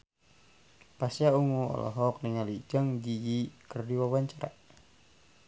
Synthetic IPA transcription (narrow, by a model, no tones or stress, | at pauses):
pasjauŋuɔ̰lɔ̰ɦɔk̚niŋalid͡ʒaŋd͡ʒijikərdiwawaɲt͡ʃaɾa̰